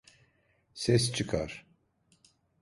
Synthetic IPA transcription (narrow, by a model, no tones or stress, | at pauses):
sɛst͡ʃʰɯkʰaɾ̥